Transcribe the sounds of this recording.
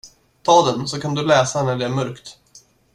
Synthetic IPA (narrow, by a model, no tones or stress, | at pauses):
t̪ʰɑːd̪ɛnsɔkʰand̪ɵlɛːsanæɖɛæɾmœɾkt̪